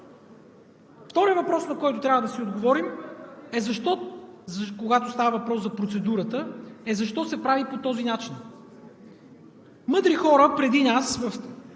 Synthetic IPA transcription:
ft̪ɔɾijəvɐpɾɔsnɐkɔjt̪ʊt̪ɾʲavəd̪ɐsiod̪ɡovɔɾimɛzɐʃt̪ɔzkoɡat̪ost̪avɐvɐpɾɔsɐpɾot̪sɛd̪uɾət̪əɛzɐʃt̪ɔsɛpɾavipot̪ɔzinat͡ʃin | mɤd̪ɾixɔɾəpɾɛd̪inasvɐf

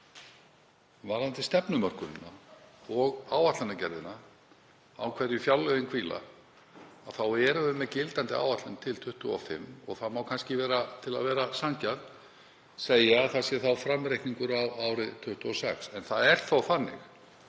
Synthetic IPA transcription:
vaːlant̪ɪst̪ɛpnʏmœr̥kʏɾɪnːaɔɣaːwat̪lanacɛɾðɪna | awkʰvɛɾjʏfjawlːœðɪnkʰviːla̰ | aθawɛɾʏvʏmɛcɪlt̪ant̪ɪa̰wvat̪lɪnt̪ʰɪlt̪ʰʏht̪ʏɔ̰fɪ̰mːɔ̰ɣθamawkʰanscɪvɛːɾat̪ʰɪla̰ðvɛːɾasaŋcað | seːjaaðθaðsjɛθawfɾamɾejhkniŋkʏɾawawɾɪt̪ʰʏht̪ʏɔsɛksɛnθaðɛr̥t̪θawfanːɪ̰x

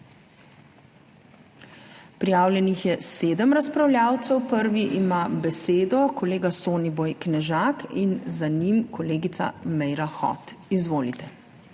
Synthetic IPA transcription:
pɾijaːwljɛnixjɛseːd̪əmɾaspɾawljaːwt̪sɛwpəɾʋiʔimabɛseːd̪ɔkɔleːɡasoːnibojknɛʒaːkinzanimkɔleːɡit̪sa̰mɛjɾaxɔ̰t̪izʋoːlit̪ɛ

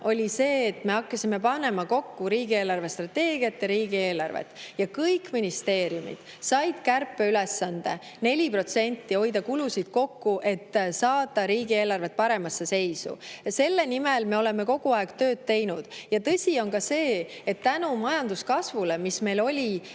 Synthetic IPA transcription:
ʔo̞lʲise̞ːt̪ːˑme̞ɑkːɑsime̞pɑnːe̞mɑko̞kːuɾiːɡ̥ie̞ːlɑrve̞st̪rɑt̪ːe̞ːɡ̥iɑt̪ːjɑɾiːɡie̞ːlɑrvḛt̪ːˑjɑkɤjkːminist̪e̞ːɾijumḭd̪̥ | sɑjd̪̥kærpːe̞yle̞sːɑnd̪̥e̞ | ne̞lʲipro̞t̪se̞nʲt̪ːio̞jd̪ɑkulusid̪̥ko̞kːuʔe̞t̪ːsɑːt̪ˑːɑɾiːɡie̞ːlɑrve̞t̪̚pɑɾe̞mɑsːe̞se̞jsṵse̞lːe̞nimelme̞o̞le̞me̞ko̞ɡ̥uɑeɡ̥t̪ø̞ːd̪̥̚t̪e̞jnud̪̥jɑt̪ɤ̞sʲio̞nkɑse̞ːet̪ːænumɑjɑnd̪uskɑsvule̞misme̞jlo̞lʲi

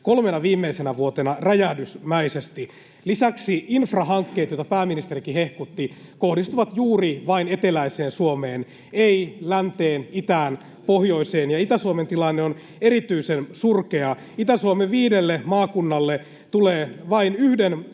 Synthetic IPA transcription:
kolmenɑʋiːmːeisenæʋuot̪enɑræjæhdysmæisest̪i | lisæksiinfrɑɦɑŋkːeːt̪jojt̪ɑpæːmːinist̪erikihe̞hkut̪ːikohdist̪uʋɑt̪juːriʋɑine̞t̪elæiseːnsuomeːn | eilænt̪eːnit̪æːn | pohjo̞iseːnjɑit̪æsuoment̪ilɑnːeon | eɾit̪yisensurkeɑ | it̪æsuomeʋiːdelːemɑːkunːɑlːe | t̪uleːʋɑinyhden

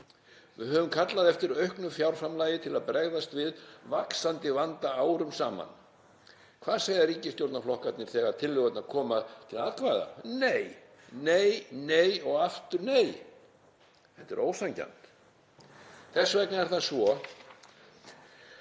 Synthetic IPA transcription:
vɪðɦœvʏmkʰat̪laðɛft̪ɪɾœɥhknʏfjawɾ̥fɾamlaːjɪt̪ʰɪlaðpɾɛɣðast̪vɪðvaksant̪ɪvant̪aaːwɾʏmsaːma̰n | kʰv̥aːðseːjðaɾiːcɪst̪jowɾt̪naflɔhkat̪nɪɾ̥θɛːɣaðt̪ʰɪlːʏɣœt̪naðkʰɔːmaðt̪ʰɪlaːðkʰvaːða̰nej | neːjnejɔɣaft̪ʏɾneːj | ɛht̪ːɛɾʔoːwsaɲca̰nt̪ | θɛsːvɛknaɛɾ̥θasvɔ

